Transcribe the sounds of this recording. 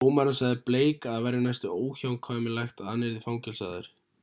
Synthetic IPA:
oːwmaɾansaɣðɪpleːjkaðvɛɾːɪnajst̪ʏoːwçawŋkʰvaːmɪlajxt̪aːneɾðɪfawŋcɛlsa̰ːðʏ̰ɾ̥

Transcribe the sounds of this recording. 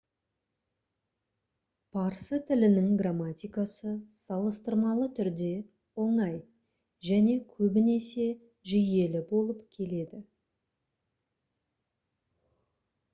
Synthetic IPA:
pʰɑɾsət̪ʰɪlɪnɪŋɡramːat̪ʲijkasəsɑlˠəst̪əɾmɑlˠət̪ʰʏɾd̪e̞ | wo̞ɴɑj | ʒæne̞kʲʰɵbɪne̞se̞ | ʒije̞lɪbo̞lˠəpkʲʰe̞le̞d̪ɪ

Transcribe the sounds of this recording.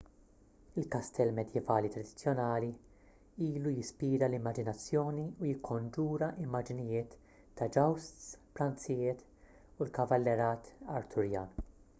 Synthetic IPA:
ɪlkɐst̪ʰɛlmɛd̪jɛvɐːlit̪ɾɐd̪ɪ̥t͡sːjɔnɐːli | iːlujɪspiːɾɐlɪmːɐd͡ʒɪnɐt͡sːjɔːniujɪkʰːɔnd͡ʒuːɾɐʔɪmːɐd͡ʒɪnɪjɪːt̪ː | ɐd͡ʒɐwst̪spɾɐnt͡sɪjɪːt̪ | ulkɐvɐlːɛɾɐːt̪ɐ̰ɾt̪ʰʊɾjɐːn

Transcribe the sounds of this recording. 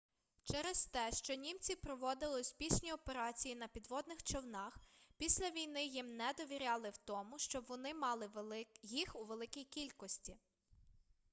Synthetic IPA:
t͡ʃɛɾɛst̪ɛʃt͡ʃɔnʲimt͡sʲipɾɔʋɔd̪ɪlˠɪsʲpʲisʲnʲiɔpeɾɑt͡sʲijinɐpʲid̪ʋɔd̪nɪxt͡ʃɔwnɑxpʲisʲlʲɐʋʲijn̪ɪjimnɛd̪ɔʋʲiɾʲɑlˠɪwt̪ɔmʊʃt͡ʃɔbʋɔnɪmɑlˠɪjixuʋelˠɪkʲijkʲilʲkɔsʲtʲi

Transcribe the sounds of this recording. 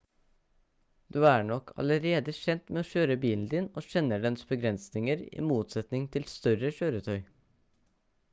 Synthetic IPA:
d̪̥ʉːæɳɔkʰɑ̰ləɾeːd̪əʃɛnt̪meːoːʃøːɾəbiːln̩d̪ɪnoːʃɛnːəɖɛnsbəɡɾɛnsnɪŋəɾḭːmuːt̪sɛt̪nɪŋt̪ʰɪlst̪œɾəʃøːɾət̪ʰœʏ

